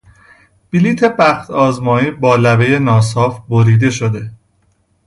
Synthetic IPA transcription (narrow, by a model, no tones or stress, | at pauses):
b̥iliːt̪ʰe̞bæxt̪ʰɒːzmɒːjiːbɒːlæbe̞je̞nɒːs̬ɒːfboɾiːd̪e̞ʃod̪e̞